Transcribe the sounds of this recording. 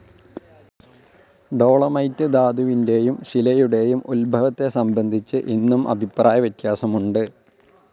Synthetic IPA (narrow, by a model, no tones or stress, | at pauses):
ɖo̞ːɭɐmɐjtːɨd̪aːd̪uʋinde̞jumɕilɐjuɽe̞jumulbʱɐʋɐt̪ːe̞sɐmbɐnd̪ʱit͡ɕːɨʔinːumʔɐ̰bʱipraːjɐʋɐt̪jaːsɐmuɳɖɨ